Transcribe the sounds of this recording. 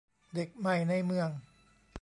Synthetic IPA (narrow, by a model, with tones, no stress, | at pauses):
de˨˩k̚ma˨˩jna˧˥˩jmɯ˧əŋ